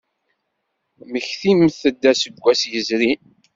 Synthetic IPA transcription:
məçθimθəd̪ːæsəɡʷːæsjəzɾi

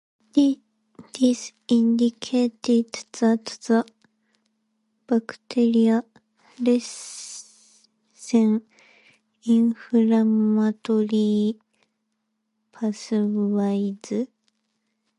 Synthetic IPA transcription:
d̪̥is | ĩnd̪ikʰeːt̪ed̪t͡sat̪t͡sa | b̥akɯ̟̥t̪ʰeɾʲia | ɾes | sẽŋ | ĩɰ̃ɸɯɾamat̪oɾʲi | pʰasɨβaizɨ

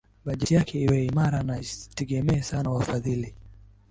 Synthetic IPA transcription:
ɓaʄɛtijakɛiwɛimaɾanatɛɠɛmɛːsanawafaðili

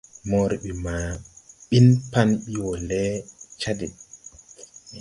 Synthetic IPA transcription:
mɔɾɓimaɓinpanɓiwɔlɛt͡ʃadɛ

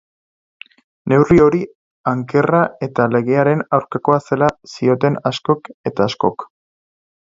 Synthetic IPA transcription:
ne̞wrio̞ɾi | aŋke̞rae̞t̪ale̞ɣ̞e̞aɾe̞nawɾkako̞ase̞lasio̞t̪e̞nasko̞ke̞t̪aːsko̞k

